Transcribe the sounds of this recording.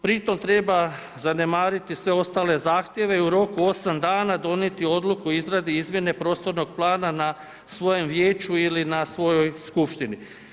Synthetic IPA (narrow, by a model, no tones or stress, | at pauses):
pɾit̪o̞mt̪ɾe̞ba | zane̞maːɾit̪isʋe̞o̞st̪aːle̞zaːxt̪jeʋe̞iuɾo̞kuo̞samd̪aːnad̪o̞nje̞t̪io̞d̪lukuizɾad̪iizmje̞ne̞pɾo̞ːst̪o̞ɾno̞ɡ̥̚plˠaːnana | sʋo̞jo̞mʋjeːt͡ʃuilinasʋo̞jo̞jskupʃt̪ini